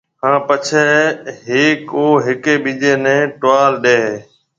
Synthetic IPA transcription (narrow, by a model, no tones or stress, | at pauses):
hãːpət͡ʃʰeːɦeːkoːɦɪkeːɓid͡ʒeːnɛ̃ːʈʊʋaːlɗeːɦː